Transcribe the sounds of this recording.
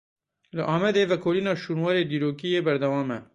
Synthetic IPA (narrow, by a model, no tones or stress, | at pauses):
loʔaːmɐd̪eʋɐkʰoːlinaːʃunwaːɾed̪iɾoːkijebɐɾd̪ɐwaːmɐ